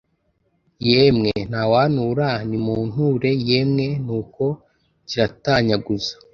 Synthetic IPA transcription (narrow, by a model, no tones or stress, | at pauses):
jemŋen̥hawaːnuːɾanimuːn̥huɾe̞jeːmŋe̞nuːko̞ | ciɾataɲaɡuzḁ